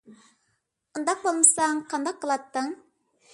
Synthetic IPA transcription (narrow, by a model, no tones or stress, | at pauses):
und̪ɑq̚bolˠməsɑŋqʰɑnd̪ɑqːəlˠɑt̪ːəŋ